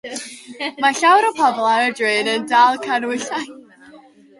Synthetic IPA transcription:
maɬawɾəpʰɔblˠaədɹɨːnəndalˠkʰanwɪɬaj

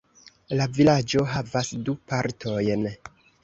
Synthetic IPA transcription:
lavilad͡ʒo̞ɦavasdupaɾtʰo̞jn

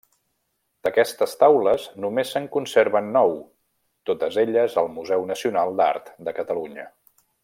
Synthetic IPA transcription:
d̪̥əkɛst̪əst̪awləznumesːəŋkunseɾβənːɔw | t̪ot̪əzeʎəzəlˠmuzɛwnəsiunalˠd̪a̰ɾt̪d̪əkət̪əluɲə

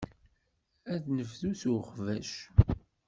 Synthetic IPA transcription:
æðnəvðuθuχvæ̰ʃ

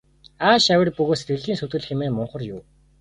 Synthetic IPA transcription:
aːʃawʲɪ̆rpɵɣoːset̪ɡɘ̆ɮiːnsɵt̪ɘ̆ɮxemeːmʊɴχə̆rjʊː

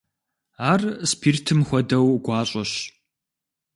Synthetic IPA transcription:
aːrspʰiːrtʰɨmxʷɔdɐwɡʷaːɕʼɐɕ

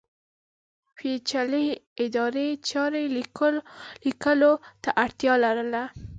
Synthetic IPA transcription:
fet͡ʃaleɪd̪ɑɾet͡ʃɑɾe | likəlot̪aʔaɽt̪jɑlaɾəla

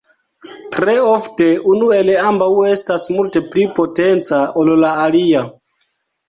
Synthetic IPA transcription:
tɾe̞ofte̞unue̞leambawe̞stasmulte̞plipo̞te̞nt͡saollaːlia

